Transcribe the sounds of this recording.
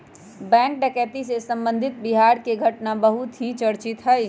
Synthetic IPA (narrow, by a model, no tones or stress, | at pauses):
bɛ̃ːŋk̚ɖɛkɛːt̪isesə̃mbə̃nd̪ʱɪt̪̚biɦaːɾkeɡʱəʈnabəɦʊt̪ɦĩt͡ʃəɽt͡ʃɪt̪ɦəj